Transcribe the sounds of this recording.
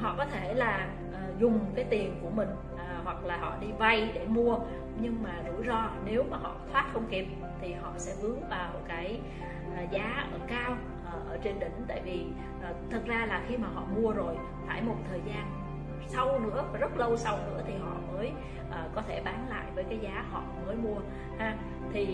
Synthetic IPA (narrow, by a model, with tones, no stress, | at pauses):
ɦɔ̰˧˨kɔ˨˦t̪ʰe˧˩laː˨˩ | ʔəː˨˩zʊ˨˩ŋ͡mkaː˨˦jt̪i˨˩ənku˧˩əmï˨˩ŋ̟ | ʔːhwa˨˩k̚laː˨˩hɔ̰˧˨ɗi˧va˧jɗe˧˩mu˧ə | ɲɨ˧ŋmaː˨˩zɨ̰˧˥zɔ˧ne˨˦wmaː˨˩ɦɔ̰˧˨t̪ʰwaː˦˥t̚xə˧wŋ͡mki˨˩əp̚ | t̪ʰi˨˩hɔ̰˧˨sɛ̰˧˥vɨ˨˦əŋvaː˨˩wmo˨˩t̚kaː˨˦j | ʔəː˨˩zaː˨˦ʔəː˧˩kaː˧w | ʔʔəː˨˩ʔəː˧˩t͡ɕe˧nɗï˧˩ŋ̟t̪a̰ː˧˨jvi˨˩ | ʔːt̪ʰɨ˨˩t̚zaː˧laː˨˩xi˧maː˨˩ɦɔ̰˧˨mu˧əzo˨˩j | faː˧˩jmo˨˩t̚t̪ʰəː˨˩jzaː˧n | sa˧wnɨ̰˧˥əvaː˨˩zə˦˥t̚lə˧wsa˧wnɨ̰˧˥ət̪ʰi˨˩ɦɔ̰˧˨məː˨˦j | ʔəː˨˩kɔ˨˦t̪ʰe˧˩ɓaː˨˦nla̰ː˧˨jvəː˨˦jkaː˨˦jzaː˨˦hɔ̰˧˨məː˨˦jmu˧ə | haː˧ | t̪ʰi˨˩